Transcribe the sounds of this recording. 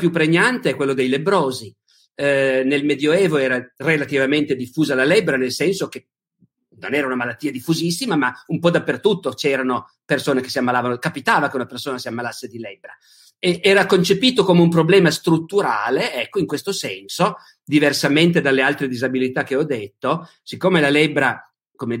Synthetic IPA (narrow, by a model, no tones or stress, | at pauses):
pjupːɾeɲːant̪eɛkːwelːod̪ejlebːɾoːzi | nelmed̪joɛːvoɛːɾarelat̪ivament̪ed̪ifːuːzalalɛbɾanelsɛnsok̟e | no̰nɛːɾaunamalat̪ːiːad̪ifːuzisːimamaumpɔd̪apːert̪ut̪ːot͡ʃɛːɾano | persoːnek̟e̥siamːalaːvanokapit̪aːvak̟eunapersoːnasiamːalasːed̪ilɛbːɾa | eʔɛːɾakont͡ʃepiːt̪okomeumpɾoblɛːmast̪ɾut̪ːuɾa̰ːleɛkːoiŋkwest̪osɛnso | d̪iversament̪ed̪alːealt̪ɾed̪izabilit̪ak̟ːeɔd̪ːet̪ːo | sikːomelalɛbɾa | kome